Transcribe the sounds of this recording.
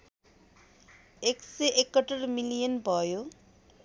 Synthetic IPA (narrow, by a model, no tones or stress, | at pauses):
ekseʔekːʌʈʌrmilijʌnbʱʌjo